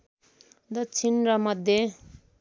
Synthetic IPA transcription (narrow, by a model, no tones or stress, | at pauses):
d̪ʌt͡sʰinrʌmʌd̪ʱje